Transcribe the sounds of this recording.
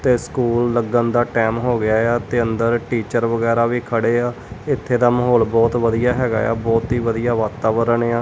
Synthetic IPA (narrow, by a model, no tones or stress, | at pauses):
t̪eːskuːlːəɡənd̪aːʈɛːmɦoːɡɪaːjaːt̪eːənd̪əɾʈiːt͡ʃəɾʋəɡɛːɾaːʋiːkʰəɽeːaː | ɪt̪ʰːeːd̪aːməɦɔːlbɔːt̪ʋəd̪ijaːɦɛːɡa̰ːja̰ːbɔːt̪ɦiːʋəd̪ijaːʋaːt̪aːʋəɾəɳeːaː